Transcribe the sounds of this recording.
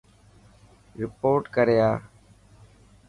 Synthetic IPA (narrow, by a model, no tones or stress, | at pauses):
ɾɪpoːɾʈkəɾjaː